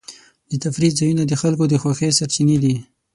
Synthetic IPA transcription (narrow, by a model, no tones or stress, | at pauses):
d̪ət̪afɾizajunad̪əxalkod̪əxwaxesaɾt͡ʃined̪i